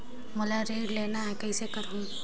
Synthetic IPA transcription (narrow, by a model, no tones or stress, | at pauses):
mɔlaɾeɖlenaːkəjsekəɾũ